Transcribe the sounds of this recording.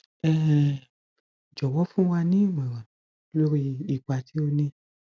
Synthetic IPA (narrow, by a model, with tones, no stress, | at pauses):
ɛ˦˨ | d͡ʒɔ˨wɔ˨˦fũ˦w̃ã˧nĩ˦i˦˨mɛ̃˨wa˨˦ | lo˦ɾi˧i˨k͡pa˧˨tʰi˨˦o˧nĩ˧